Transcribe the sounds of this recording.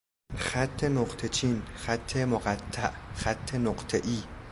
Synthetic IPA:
xat̪ʰːenoqt̪ʰet͡ʃʰinxat̪ʰːemoɢat̪ʰːaʔxat̪ʰːenoqt̪ʰeʔiː

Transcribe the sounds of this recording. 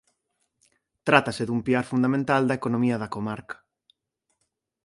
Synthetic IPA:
t̪ɾat̪ɐseðumpiaɾfund̪amẽnt̪ald̪ɐekonõmiɐðɐkomaɾkɐ̥

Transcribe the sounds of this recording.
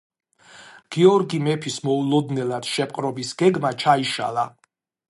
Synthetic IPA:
ɡ̥iɔɾɡimɛpʰismɔulˠɔd̪nɛlad̪̥ʃɛpʼqʼɾɔbisɡ̥ɛɡmat͡ʃʰaiʃa̰lˠa

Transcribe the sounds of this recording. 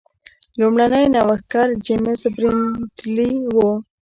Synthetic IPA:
lumɽanəjnawaxkaɾd͡ʒemɪsbɾintliwo

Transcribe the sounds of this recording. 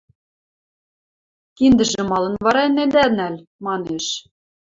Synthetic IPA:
kind̪ɘ̆ʒɘ̆mɑlˠɤ̆nvɑɾɑnæd̪ænælʲ | mɑneʃ

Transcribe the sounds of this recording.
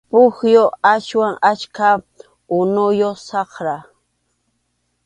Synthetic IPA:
pʊxjoaʃwaŋaʃka | ʊnʊjosɑχɾa

